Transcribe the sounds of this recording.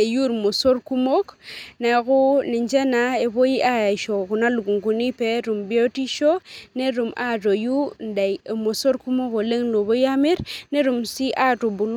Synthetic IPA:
e˨ju˦˨ɾmo˨so˦ɾku˦mo˦kna˨jku˦ni˨nd͡ʒe˦na˨e˨bo˦ji˦ʔa˦ja˨ʃo˨ku˨na˦lu˨ɡu˨ŋku˨ni˦pe˦ɾu˨mbi˦o˦ti˦ʃo˦ne˦ɾu˨ma˦to˨ju˦nda˨jmo˨so˦ɾku˦mo˦ko˨le˦ŋlo˨bo˦ja˦mi˦ɾne˦ɾu˨msi˦ʔa˦to˨bu˨l

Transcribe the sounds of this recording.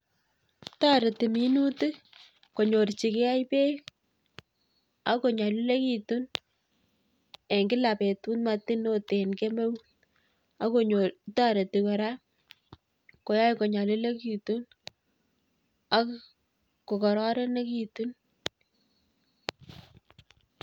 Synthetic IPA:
ta˦ɾe˨ti˨mi˦nu˦ti˦ | ko˨ɲo˨rt͡ʃi˨ke˦a˦jpe˦ | a˦ko˨ɲa˨lu˦le˦ki˨tu˦n | e˨ŋɡɪ˦la˨pe˨tu˦nma˨tɪ˦no˦te˨nke˦me˦wt | a˦ko˦ɲo˨ta˦ɾe˨ti˨kɛ˨ɾa˦ | ko˦ja˦jko˨ɲa˨lu˦le˦ki˨tu˦n | a˦k | ko˨kɔ˨ɾɔ˦ɾɛ˦ne˦kitu˦n

